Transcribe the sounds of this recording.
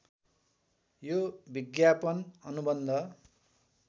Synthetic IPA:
jobiɡjapʌnʌnubʌnd̪ʱʌ

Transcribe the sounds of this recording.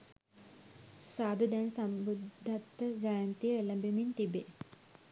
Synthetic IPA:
saːd̪ud̪ɛnsambud̪ʱːat̪ːəd͡ʒajant̪ijəelɐbemint̪ibe

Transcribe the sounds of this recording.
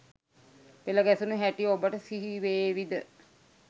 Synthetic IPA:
peləɡɛsunuɦæʈiobəʈəsiɦiʋeːʋid̪ə

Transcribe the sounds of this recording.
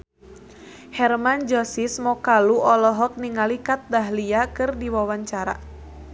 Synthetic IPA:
hɛrmand͡ʒɔsismɔkaluɔlɔɦɔk̚niŋalikat̪̚daɦliakɨrdiwawaɲt͡ʃaɾa̰

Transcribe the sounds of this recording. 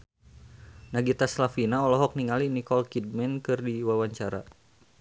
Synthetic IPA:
naɡit̪aslafinaɔlɔɦɔk̚niŋalinikɔlkid̚mɛnkɨrdiwawaɲt͡ʃaɾa̰

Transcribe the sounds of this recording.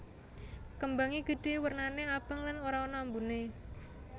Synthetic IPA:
kəmbaŋiɡ̥ə̤ɖ̥e̤wərnaneab̥ə̤ŋlanoɾaonambune

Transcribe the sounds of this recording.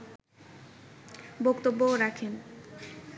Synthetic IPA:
bokt̪obːoɾakʰen

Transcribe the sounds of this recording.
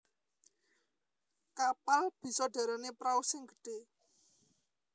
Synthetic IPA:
kapalb̥i̤sɔɖ̥a̤ɾanepɾausɪŋɡə̤ɖ̥e̤

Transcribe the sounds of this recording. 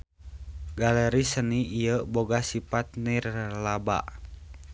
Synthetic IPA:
ɡaləɾisəniːjəboɡasipat̪̚nirlaba̰ʔ

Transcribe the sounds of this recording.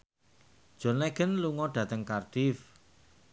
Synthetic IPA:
d̥ʒ̥ɔ̤nlɛɡ̥ənluŋɔɖ̥ä̤t̪əŋkarɖ̥if

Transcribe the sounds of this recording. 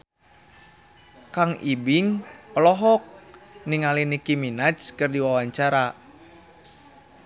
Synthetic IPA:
kaŋibiŋɔlɔɦɔk̚niŋalinikiminat͡ʃkɨrdiwawaɲt͡ʃaɾa

